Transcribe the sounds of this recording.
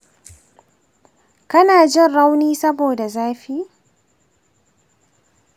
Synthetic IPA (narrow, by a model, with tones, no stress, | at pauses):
kɐ˦naː˨d͡ʒɪ˦nɽa˦wniː˦sɐ˦boː˨da˨zaː˦ɸiː˦